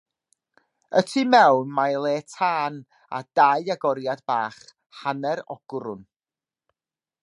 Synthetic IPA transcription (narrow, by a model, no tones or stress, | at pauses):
ətʰimɛwnmalˠeːtʰaːn | a̰d̥ajaɡɔɾjadbaːχ | hanɛɾɔ̰ɡ̥ɾʊn